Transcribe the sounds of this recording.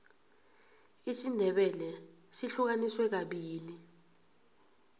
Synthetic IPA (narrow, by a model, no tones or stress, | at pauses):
isindʱɛɓɛlɛ | siɬuk̬aniswɛk̬aɓiːli